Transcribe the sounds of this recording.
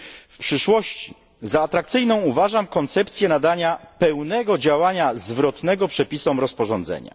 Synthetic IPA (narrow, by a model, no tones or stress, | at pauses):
fpʂɘʂwɔɕt͡ɕi | zaːt̪ɾak̚t̪sɘjnɔ̃w̃uvaʐamkɔnt̪sɛpt̪sʲjɛnad̪aɲapɛwnɛɡɔd͡ʑawaɲazvɾɔt̪nɛɡɔpʂɛpʲisɔmɾɔspɔʐɔnd̪zɛ̰ɲa̰